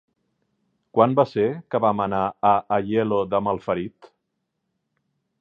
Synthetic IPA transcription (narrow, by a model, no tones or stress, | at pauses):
kwanbasekəβamənaəʔːʎeloðəməlˠfəɾit̪